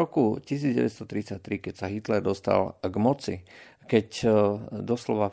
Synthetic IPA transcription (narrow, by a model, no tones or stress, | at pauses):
ɔkucisiːd͡zɟɛ̰ʋɛ̰tst̪ɔt̪ɾit͡sac̚t̪ɾikɛcsaɦit̪lɛɾd̪ɔst̪a̰lɡmɔt͡si | kɛc | d̪ɔslɔʋa